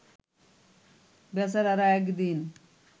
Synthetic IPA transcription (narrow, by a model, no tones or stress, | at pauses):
bɛs̬aɾaɾaɛkd̪in